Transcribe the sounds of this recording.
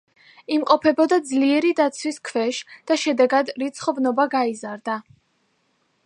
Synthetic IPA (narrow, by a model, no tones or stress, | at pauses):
imqʼɔpʰɛbɔd̪ad̪zliɛɾid̪at̪sʰwiskʰvɛʃd̪̥aʃɛd̪ɛɡad̪ɾit̪sʰχɔvnɔbaɡaizaɾd̪a